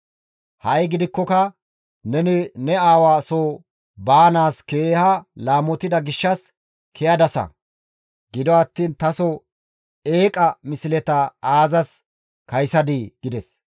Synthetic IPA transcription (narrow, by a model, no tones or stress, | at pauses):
hɐjɡɪd̪ɪkːɔkɐ | nɛnɪnɛaːwaːsoː | baːnaːske̞ːhɐlaːmːɔt̪ːɪd̪ɐɡɪʃːɐs | kʰɛjɐd̪ɐsɐ̰ | ɡɪd̪ɔɐt̪ːiːnt̪ɐsɔ | e̞ːkʼɐmɪsɪlɛt̪ɐaːzɐs | kɐjsɐd̪ɪɡ̥ɪd̪ɛs